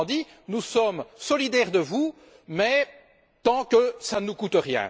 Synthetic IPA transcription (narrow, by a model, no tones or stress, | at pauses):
d̪i | nusɔmsɔlid̪ɛʁd̪əvu | mɛ | t̪ɑ̃kəsanukut̪ʁjɛ̰̃